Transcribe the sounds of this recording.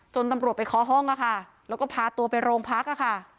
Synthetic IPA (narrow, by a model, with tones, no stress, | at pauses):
t͡ɕo˧nt̪a˧mɾət̪pa˧jkʰɔː˩˦˥ɦɔ˥˩ŋʔa˨˩kʰa˥˩ | lɛː˦˥wkɔː˥˩pʰaː˧t̪u˧ɐpa˧jɾoː˧ŋpʰa˦˥k̚a˧˩kʰa˥˩